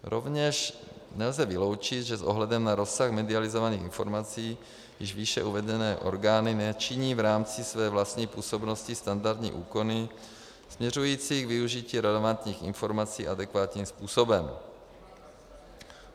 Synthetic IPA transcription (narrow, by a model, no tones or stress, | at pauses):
ɾo̰vɲɛʃ | nɛlzɛvɪlo̞wt͡ʃɪt̪ʒɛsʔoɦlɛdɛmnaɾo̞saxmɛdɪalɪzovaniːxɪnfo̞ɾmat͡siː | jɪ̰ʒviʃɛ̰ʔuvɛdɛnɛːʔo̞̰ɾɡaːnɪnɛt͡ʃɪɲiːvɾaːmt͡sɪsvɛːvlast̪ɲiːpuːso̞bnoscɪst̪andaɾt̪ɲḭːʔuːko̞nɪ | smɲɛrujiːt͡siːɡvɪuʒiciːɾɛlɛvant̪ɲiːxɪ̰nfo̞ɾmat͡siːʔadɛkvaːt̪ɲiːmspuːso̞bɛm